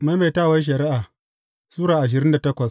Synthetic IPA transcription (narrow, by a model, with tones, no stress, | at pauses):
ma˦meː˨taː˦˨wɐ˦ʃ̬ɐ˨ɾi˦ʔaː˨ | suː˦ɾaː˨ʔa˨ʃ̬ɪ˨ɾɪ˦nda˨tɐ˦kʷɐ˨s